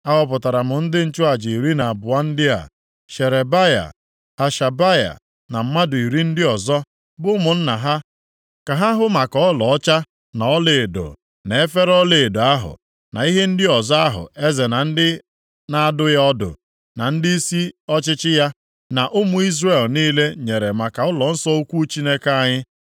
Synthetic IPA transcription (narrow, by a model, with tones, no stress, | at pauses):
a˦ɦɔ˦˨p̬ʊ˨ta˨ɾa˨mʊ˨n̩˦dɪ˦n̩˦t͡ʃʊ˦a˨d͡ʒi˨i˨ɾi˦na˨a˨bʊ˨a˦n̩˦dɪ˦a̰˨ | ʃe˨ɾe˨ba˦ja̰˨ | ha˨ʃa˨ba˦ja̰˨ | na˨m̩˦ma˦dʊ˨i˨ɾi˦n̩˦dɪ˦ɔ˨zɔ˦ | bʊ˦mʊ˨n̩˦na˨ɦa˦ | ka˨ɦa˦ɦʊ˦ma˨kɔ˦lɔ˨ɔ˦t͡ʃa˦ | na˨ɔ˦le˨e˨do̰˨ | ne˨e˦fe˦ɾɔ˦le˨e˨do˨a˦ɦʊ̰˨ | na̰˨i˦ɦe˦n̩˦dɪ˦ɔ˨zɔ˦a˦ɦʊ̰˨e˦ze˨na˨n̩˦dɪ˦ | na˦dʊ˦ja˦ɔ˦dʊ̰˨ | na˨n̩˦dɪ˦i˦si˦ɔ˦t͡ʃɪ˦t͡ʃɪ˦ja˦ | na˨ʔʊ˦mʊ˨i˦zre˨lniː˦le˦ɲe˨ɾe˨ma˨ka˨ɔ˦lɔ˨n̩˦sɔ˦o˦kʷu˦t͡ʃi˦ne˦ka˦ɲɪ˦